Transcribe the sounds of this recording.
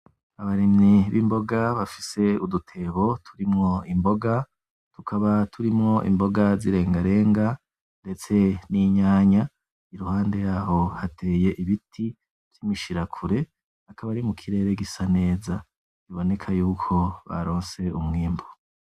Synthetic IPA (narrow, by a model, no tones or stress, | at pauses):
aβaɾimɲiβḭmbo̞ɡaβafi̥se̞udutʰe̞βo̞tʰuɾimŋo̞imbo̞ɡa | tukʰaβatʰuɾimŋo̞ʔḭmbo̞ɡaziɾe̞ːŋɡaɾe̞ːŋɡa | ndet͡se̞niɲaːɲa | iɾuhaːnde̞jaːho̞hatʰe̞ːje̞ʔiβitʰi | t͡ʃimiʃiɾakʰuɾe̞ | akʰaβaɾimukʰiɾe̞ːɾeɡisane̞ːza | iβo̞ne̞kʰajuːkʰo̞βa̰ɾo̞ːnse̞umŋiːmbo